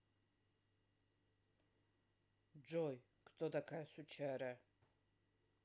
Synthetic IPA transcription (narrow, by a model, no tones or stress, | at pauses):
d͡ʒɔj | kʰd̪ɔd̪akʰajsut͡ʃʰaɾa